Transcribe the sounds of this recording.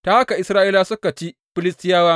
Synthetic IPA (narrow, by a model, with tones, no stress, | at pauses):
taː˦ha˦ka˨ʔɪ˨sɾaː˦ʔiː˦laː˦sʊ˦ka˨t͡ʃi˦ | ɸɪ˦lɪ˦stɪ˦jaː˦waː˦